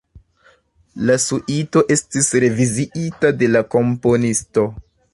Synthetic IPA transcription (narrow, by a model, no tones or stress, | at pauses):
lasuʔito̞ʔe̞stisɾe̞viziʔitade̞lako̞mpo̞nisto̞